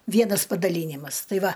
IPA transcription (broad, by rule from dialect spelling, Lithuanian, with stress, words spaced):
ˈʋʲiɛnɐs pɐdɐˈlʲiːnʲɪmɐs ˈtɐɪ ˈʋɐ